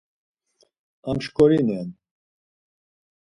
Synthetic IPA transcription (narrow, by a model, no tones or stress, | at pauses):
amʃkʼɔɾinɛn